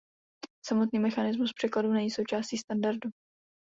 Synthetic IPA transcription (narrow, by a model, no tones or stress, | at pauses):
samo̞t̪niːmɛxanɪzmuspr̥ɛkladunɛɲiːsowt͡ʃaːsciːst̪andaɾdu